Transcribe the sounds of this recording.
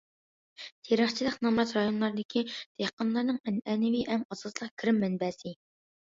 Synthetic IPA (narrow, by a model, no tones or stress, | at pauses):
t̪ʰeɾəχt͡ʃʰilˠəqnɑmɾɑt̪ɾɑjonlˠɑɾd̪ɪkʲʰid̪̥ehqɑnlˠɑɾnɨŋɛnɛnɪviʔɛmɑsɑt̪lˠəqkʲʰiɾɪmːɛnbɛːsɪ